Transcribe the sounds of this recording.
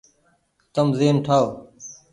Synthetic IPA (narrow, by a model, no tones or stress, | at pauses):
t̪əmzeːnʈʰaːo